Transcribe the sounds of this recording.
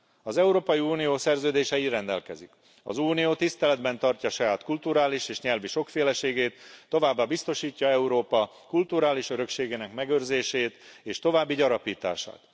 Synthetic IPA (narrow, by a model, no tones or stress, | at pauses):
ɒzɛuɾoːpɒjiuːnijoːsɛrzøːd̪eːʃɛirɛnd̪ɛ̰lkɛzḭk | ɒ̰zuːnijoːt̪ist̪ɛlɛd̪bɛnt̪ɒrcɒʃɒjaːt̪kult̪uɾaːliʃeːʃɲɛlviʃo̞kfeːlɛʃeːɡeːt̪ːo̞vaːbːaːbist̪o̞ʃiːcːɒɛuɾoːpɒ | kult̪uɾaːliʃøɾø̞kʃeːɡeːnɛkmɛɡørzeːʃeːt̪eːʃt̪o̞vaːbːiɟɒɾɒpiːt̪a̰ːʃa̰ːt̪